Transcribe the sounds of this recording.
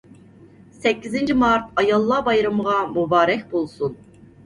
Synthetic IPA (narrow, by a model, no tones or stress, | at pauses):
sɛcʰːizind͡ʒimaɾt̪ʰɑjalˠːabajɾamɯʁɑmubaːɾɛcbolˠsun